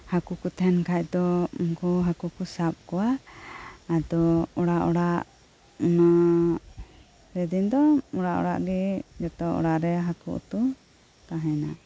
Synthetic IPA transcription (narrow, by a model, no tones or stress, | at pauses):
hakukut̪ʰɛnkʰac̚d̪ɔɔŋkuɦakukusap̚kɔwa | ad̪ɔɔɽaʔɔɽaʔ | na | ɾɛd̪ind̪ɔɔɽaʔɔ̰ɽa̰ʔɡɛd͡ʒɔt̪ɔʔɔ̰ɽaʔɾɛɦakuʔṵt̪u | t̪aɦɛna